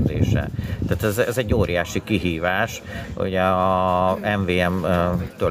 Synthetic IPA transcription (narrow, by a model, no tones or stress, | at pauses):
zḛːʃɛ̰t̪aːt̪ɛzɛzɛɟːoːɾijaːʃikiɦiːvaːʃ | ṵɟɛ | ɛɱveːɛmt̪ø